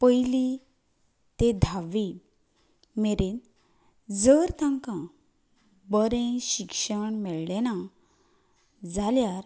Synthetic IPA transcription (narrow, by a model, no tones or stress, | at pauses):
pəjli | t̪ed̪ʱaʋi | meɾen | d͡zəɾt̪ãŋkã | bəɾẽɕikʂəɳmɛɭlena | d͡zaljaɾ